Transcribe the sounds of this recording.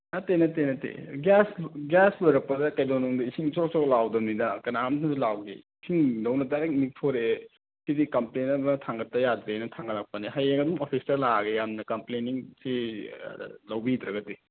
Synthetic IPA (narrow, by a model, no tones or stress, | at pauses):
atenɐtenɐtḛɡasɡasloɾɐk̚pːɐdɐkɐjdonɔŋdɐisiŋsʰok̚sʰɔklawdɐmnidɐkɐnaamtʰɐzulawɡḛisʰiŋdɐwnɐdaɾek̚nik̚tʰoɾe | sidikɐmplenɐbɐtʰaŋɡɐtːɐjadɾenɐtʰaŋɡɐlak̚pɐniɦajeŋɐdumopʰistɐlaɡejamnɐkɐmpleniŋsi | lɐwbidɾɐɡɐdi